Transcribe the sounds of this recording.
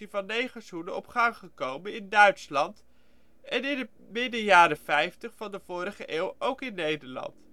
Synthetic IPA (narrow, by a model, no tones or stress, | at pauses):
ivɑnːejχəsunənɔpχɑŋχəkowmənɪndœɥtslɑnt | ʔɛnɪndə | mɪdəjaːɾəfɛjftəχfɑndəv̥ʊːɾəχəʔeːwowkɪnːejdəɹlɑ̰nt